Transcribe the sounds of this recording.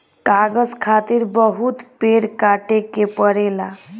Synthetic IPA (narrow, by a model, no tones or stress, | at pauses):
kaɡəd͡ʒkʰat̪iɾbəɦut̪peɾkaʈekepəɽela